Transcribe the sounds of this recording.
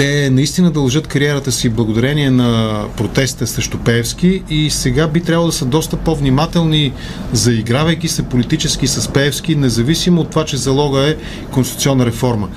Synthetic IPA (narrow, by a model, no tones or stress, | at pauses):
t̪ɛnɐist̪inəd̪ɐlˠʒɤt̪kɐɾiɛɾət̪əsiblˠɐɡod̪ɐɾɛniɛnɐpɾot̪ɛst̪əsɾɛʃt̪opɛːfsk̟iisɛɡabit̪ɾʲabəlˠd̪ɐsəd̪ɔst̪əpovnimat̪ɛlˠni | zɐiɡɾavɐjk̟isɛpolit̪it͡ʃɛsk̟isəspɛːfsk̟inɛzɐvisimoːt̪ːovat͡ʃɛzɐlˠɔɡəɛ | konsit̪u̥t̪sʲɔnːəɾɛfɔɾmə